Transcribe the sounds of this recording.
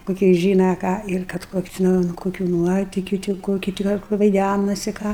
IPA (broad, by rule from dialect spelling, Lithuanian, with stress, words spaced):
koːˈkʲiɛ ˈʒʲiːnɐ ˈkɑː ɪr ˈkɐt ˈkoːkʲʊ tʲɪˈnɐɪ ʊn ˈkoːkʲʊ ˈnuɔtʲɪkʲʊ tʲɪ ˈkoːkʲʊ tʲɪ ˈɡɐlˠ kʊr ʋɐɪˈdʲænɐsʲɪ ˈkɑː